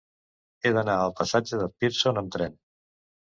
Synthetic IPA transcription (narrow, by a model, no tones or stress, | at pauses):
eðənaəlˠpəsad͡ʒəðəlpiɾsonəmt̪ɾɛn